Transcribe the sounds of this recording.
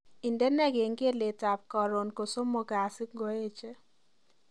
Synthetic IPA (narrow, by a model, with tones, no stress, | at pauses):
i˨nde˦nɛ˦ɡe˨ŋke˦le˨ta˨p̚kɔ˨ɾo˨nko˨so˦moɡa˨sɪ˦k̚ɡoe˦t͡ʃe˦